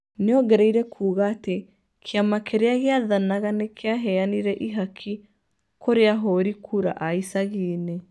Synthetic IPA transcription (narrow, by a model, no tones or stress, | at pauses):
neɔɡɛɾɛiɾɛkʰuːɣaːte | kʰeamakeɾeaɣeaðanaɣanekeaɦɛaniɾɛʔiɦakʰi | koɾeaɦoɾikʰuɾa̰ʔaisaɣiːne